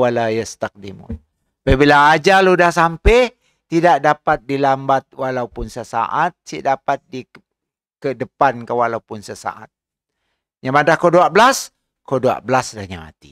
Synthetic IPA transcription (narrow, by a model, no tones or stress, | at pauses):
walajast̪ak̚dimʊ̰n | babilaːd͡ʒaludahsampɛ | t̪idaʔdapat̪̚dilambat̪̚walaupʊnsəsa̰ʔat̪̚siʔdapat̪̚di | kədəpankəwalaupʊnsəsa̰ʔa̰t̪̚ | ɲamadahkoduaʔbəlas | kodua̰ʔbəlasdahɲama̰t̪ḭ